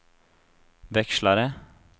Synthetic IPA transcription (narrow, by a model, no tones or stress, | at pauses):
ʋɛkʃlɑɾə